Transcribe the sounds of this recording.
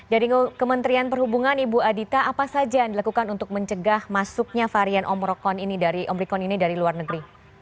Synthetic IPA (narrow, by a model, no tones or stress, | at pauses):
d͡ʒadikəmənt̪ɾianpərhubuŋanibuadit̪aʔapasad͡ʒandilakukanunt̪ʊk̚məɲt͡ʃəɡahmasʊk̚ɲafaɾianʔɔ̰mɾɔkɔninidaɾiʔɔmɾikɔninidaɾiluarnəɡəɾi